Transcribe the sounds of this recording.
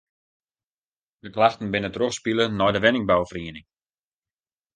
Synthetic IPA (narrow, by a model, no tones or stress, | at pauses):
dəklaxtən̩bɪnətroχspilənɔjdəʋɛnɪŋbawfriənɪŋ